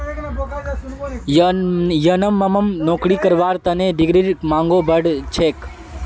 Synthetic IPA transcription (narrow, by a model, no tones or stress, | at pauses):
jənəmːɐmɐmnoːkɽikəɾʋaːɾt̪ɐnẽɖiɡɾiɾmaːŋɡoːbʱəɽt͡ʃʰeːk